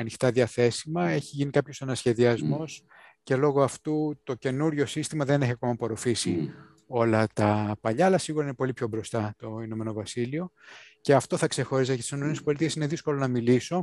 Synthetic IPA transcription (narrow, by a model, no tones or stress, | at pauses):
ɐnixt̪ɐðiɐθe̞simɐe̞çiʝinikɐpço̞sɐnɐsçe̞ðiɐzmo̞s | ce̞lo̞ɣoɐft̪ut̪o̞ce̞nuɾʝo̞sist̪imɐðe̞ne̞çiɐko̞mɐpo̞ɾo̞fisi | o̞lɐt̪ɐpɐʎɐːlɐsiɣuɾɐinepo̞lipço̞bɾo̞st̪ɐt̪o̞ino̞me̞no̞vɐsilio̞ | ce̞ɐft̪o̞θɐkse̞xo̞ɾisɐceɐt̪isinomenespo̞lit̪iesine̞ðisko̞lo̞nɐmiliso̞